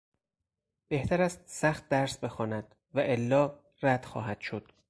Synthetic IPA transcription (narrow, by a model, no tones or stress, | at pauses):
b̥e̞ht̪ʰæɾæst̪̚sæxt̪̚d̪æɾsbe̞xɒːnæd̪̥ | væʔelːɒː | ɾæd̪̥xɒ̰ːɦæd̪̥ʃod̪̥